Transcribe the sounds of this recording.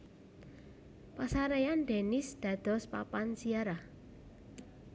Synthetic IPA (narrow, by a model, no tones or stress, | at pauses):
pasaɾejand̪e̤nɪsd̪̥ä̤d̪̥ɔ̤spa̰pansiaɾa